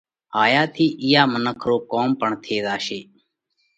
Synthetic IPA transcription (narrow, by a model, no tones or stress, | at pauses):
ɦaːjaːt̪ʰiːʔɪjaːmənəkʰɾoːkoːmpəɳt̪ʰeːd̪aːʃeː